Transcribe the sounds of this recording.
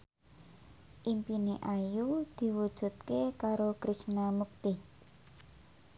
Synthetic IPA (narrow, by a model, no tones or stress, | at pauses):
ʔimpineʔajud̪̥i̤wud̥ʒ̥ṳt̪̚kekaɾokɾisnamuk̚t̪ɪh